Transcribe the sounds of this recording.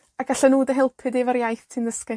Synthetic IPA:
aɡ̥aɬɛnuːdəɦɪlˠpʰɨdevaɾjajθtʰinðəskɪ

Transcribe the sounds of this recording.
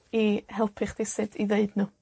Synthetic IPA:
ihɛlˠpʰɨχd̥ɪsɨdiðeɨdnuː

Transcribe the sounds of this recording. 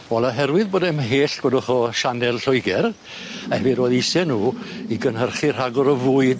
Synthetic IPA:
wɛlˠaɦɛɾwɨðboːdɛmɦeːɬɡ̥wədɔχɔʃanɛlˠɬɔjɡɛɾ | aɛviɾoːðijsɛnuːiɡənɦərχir̥aɡɔɾəvʊːɨd

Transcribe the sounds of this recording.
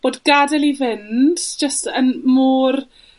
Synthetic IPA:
b̥oːdɡadɛlˠivɪndd͡ʒ̥əstənmuːr

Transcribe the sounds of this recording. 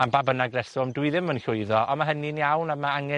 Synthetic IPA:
ambabənaɡrɛsʊmdwɨðɪmənɬʊɨðɔʔɔmaɦəninjawnamaaŋɛ

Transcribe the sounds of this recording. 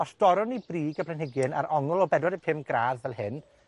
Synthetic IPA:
ɔsd̥ɔɾɔnibriːɡablˠɛnhɪɡjɨna̰ɾʔɔŋəlˠɔbɛdwadəpʰɪmɡɾaːðvɛlˠhɪn

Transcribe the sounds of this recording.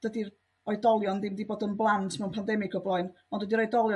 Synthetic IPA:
d̥ədir | ɔɨdɔlˠjɔndɪmdiboːdənblˠantʰmɛwnpʰandɛmɪkʰɔblˠɔɨn | ɔndwədiɾɔjdɔlˠjɔ

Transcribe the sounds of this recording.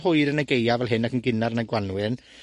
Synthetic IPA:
hʊɨɾənəɡejavɛlˠɦɪnːakənɡɪnarnaɡwanwɪn

